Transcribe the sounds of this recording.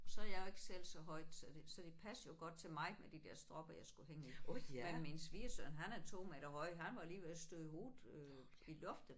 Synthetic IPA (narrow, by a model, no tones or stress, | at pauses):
ɒsɒ̽æɐjɑ̈jo̝e̝ɡ̥ə̥sel̰sɒ̽ɦɒ̽ɪ̰d̥sɒd̥e̝sɒd̥e̝pʰæsjo̝ɡ̥ɒ̽d̥̚t͡sʰe̝lmɑ̈ɪmed̥id̥eɐ̰sd̥ʁɒ̽b̥ɐjɑ̈ɪsɡ̥uheŋəiæminsʋiɐsønɦænæɐt͡sʰo̝̰ːmæd̥ɐhɒ̽ɪ̰ɦænʋɑ̈æliːʋelsd̥øðˠhoːð̩ˠø | ilɔ̽fd̥ə